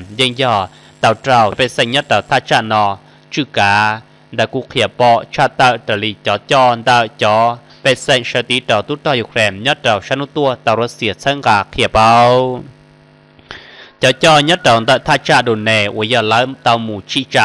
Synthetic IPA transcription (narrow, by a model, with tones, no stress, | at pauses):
mjɛ˧˨ŋjɔː˧˩ | t̪a˨˧˩wtɾa˧˨wpɛ˧˨sa˧˨ɲɔ˧˥t̪̚a˨˩wt̪ʰa˧t͡ʃa˧ʔnɔ˧ | t͡ʃu˧˨kaː˨˧˦ | nda˧ku˧˨kʰi˧˩ə˨pɔ˧t͡ʃʰa˧t̪a˧wʔt̪a˨li˧˨t͡ɕɔ˨˦t͡ɕɔ˧nd̪a˧˩t͡ɕɔ˨˦ | pɛ˧sɛ˧˨ʃa˧˩t̪i˧˦ta˨˩t̪u˧˥t̪ɔ˧˨ju˧˨kʰɾɛ˧˩˨mɲɔ˧˥t̪̚ɾa˨˩wʃa˧˥nu˧˥t̪u˧ə˨t̪a˧˩wɾa˧si˧˨ə˨t͡sʰa˧˦ŋkaː˨˩kʰi˧ə˨pa˧w | t͡ɕɔ˨˦t͡ɕɔː˧ɲɔ˧˥t̪̚da˨wnd̪a˧t̪ʰa˧˨t͡ʃa˧ʔdo˨nɛ˧˨u˧˨˦ja˧˩la˧˦t̪a˧˨wmu˨t͡ʃʰi˧t͡ʃa˧